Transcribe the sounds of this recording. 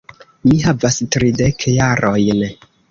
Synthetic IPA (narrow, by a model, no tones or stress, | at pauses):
miɦavastɾidekʰjaɾojn